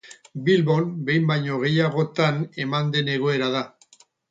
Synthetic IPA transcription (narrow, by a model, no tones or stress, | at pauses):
bilβo̞nbe̞jmbajɲo̞ɣ̞e̞jaɣo̞t̪ane̞mand̪e̞ne̞ɣ̞o̞e̞ɾaða